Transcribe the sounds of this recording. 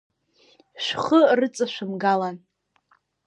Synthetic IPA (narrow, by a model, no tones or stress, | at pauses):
ʃʷᶣχərɨt͡sʼaʃʷᶣɨmɡalan